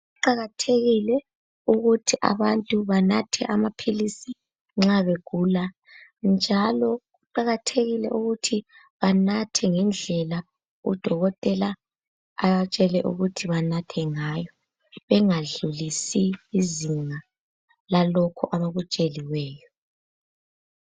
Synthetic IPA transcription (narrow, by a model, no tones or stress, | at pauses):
ɣuǃaɣatʰeɣilɛ | uɣutʰiʔa̰βantʼuβanatʰɛʔamapʰilisi | ŋ͡ǁaβeɡ̥ʱuːla | nd͡ʒʱalɔɣuǃaɣatʰeɣilɛʔuɣutʰi | βanatʰɛŋɛnd͡ɮʱɛla | ṵd̥ʱɔɣɔtʼɛlaː | βat͡ʃʼɛlɛʔṵɣutʰiβanatʰɛŋajɔ | βɛŋaɮulisiːziŋa | lalɔkʰɔʔaβaɣut͡ʃʼeliwɛːjɔ